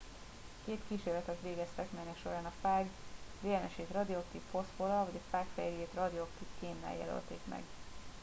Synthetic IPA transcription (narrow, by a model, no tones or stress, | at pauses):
keːt̪kiːʃeːɾlɛt̪ɛt̪ʋeːɡɛst̪ɛkmɛjnɛkʃo̞ɾaːnɒfaːɡveːɛnɛʃeːt̪rɒd̪iokt̪ipfo̞sfolɒvɒɟɒfaːkfɛ̰jɡeːt̪rɒd̪io̞kt̪ipkeːmːɛ̰ljɛ̰lø̰lt̪ḛːkmɛ̰ɡ